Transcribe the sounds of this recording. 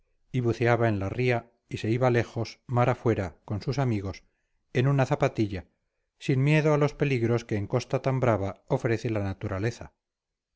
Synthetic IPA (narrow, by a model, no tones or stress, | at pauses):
iβuθeaβae̞nlaria | ise̞iβale̞xo̞smaɾafwe̞ɾako̞nsusamiɣo̞s | e̞nunaθapat̪iʎa | sinmje̞ðoalo̞spe̞liɣɾo̞ske̞ːŋko̞st̪at̪ambɾaβao̞fɾe̞θelanat̪uɾale̞θa